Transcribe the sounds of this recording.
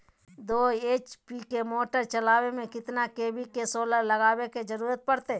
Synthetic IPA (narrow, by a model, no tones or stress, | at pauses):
d̪oːeːt͡ʃpikemoːʈəɾt͡ʃɐlaːwemẽkɪt̪nakeːbikesoːlalɐɡaːweked͡ʒɐɾuːɾət̪̚pɐɽt̪e